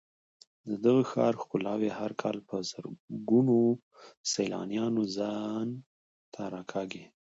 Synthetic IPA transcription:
d̪əd̪əɣaxɑ̰ɾxkʊlɑwehaɾkʰɑlpəzəɾɡuno | sajlɑ̰njɑnozɑn | t̪ʰaɾɑkʰɑɡi

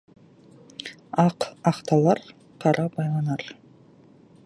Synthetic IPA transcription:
ɑqɑqt̪ɑlˠɑɾ | qʰɑɾɑbɑjlˠɑnɑɾ

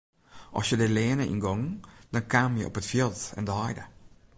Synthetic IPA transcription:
ʔɔ̰sjədəlɛːənəʔḭnɡɔŋd̥ɔnkʰaːmjə̰ʔɔ̰pətfjilˠtɛ̰ndəɦɔjdə

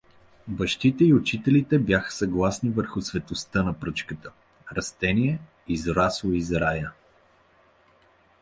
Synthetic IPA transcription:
bɐʃt̪it̪ɛiʊt͡ʃit̪ɛlit̪ɛbjaxə̥sɐɡlˠasnivəɾxʊsvɛt̪ost̪ɤnɐpɾɤt͡ʃkət̪ə | ɾɐst̪ɛniɛ | izɾaslˠoizɾajə

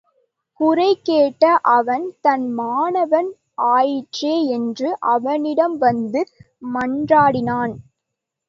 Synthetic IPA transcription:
kʊrɐɪkeːʈːɐʔɐʋɐnt̪ɐnmaːnɐʋɐn | ʔaːjɪʈreːɛndrɯʔɐʋɐnɪɽɐmʋɐnd̪ɯ | mɐndraːɽɪnaːn

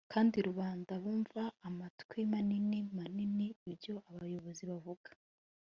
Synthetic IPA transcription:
kʰaːndiɾuβaːndaβuːɱvaːmatkwemaninimaniniːjo̞aβajo̞βo̞ziβavuɡ̥ḁ

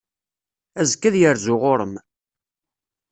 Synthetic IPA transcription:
æzkːæðjəɾzʊʁʊɾəm

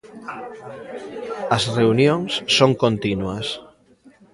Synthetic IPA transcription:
ɐsreunjoŋsːoŋkont̪inuɐs

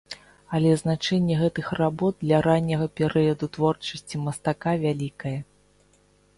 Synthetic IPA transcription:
ɐlʲɛznat͡ʂɛnʲːɛɣɛt̪ɨxrabɔd̪̚d̪lʲɐɾanʲːɐɣɐpʲɛɾɨjɐd̪ut̪vɔrt͡ʂɐsʲt͡sʲimɐst̪akavʲalʲikɐjɐ

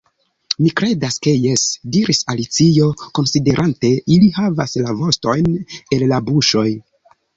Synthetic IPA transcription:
mikɾe̞daske̞jesdiɾʔisalit͡sio̞ko̞nside̞ɾʔante̞ʔilihavaslavo̞sto̞jne̞llabuʃo̞j

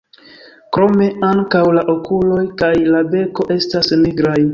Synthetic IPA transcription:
kɾo̞me̞aŋkawlaʔo̞kulo̞jkajlabe̞ko̞ʔe̞stasniɡɾaj

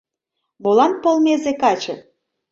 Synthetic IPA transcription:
bolˠɑnpolˠmezekɑt͡ɕɤ̰̆

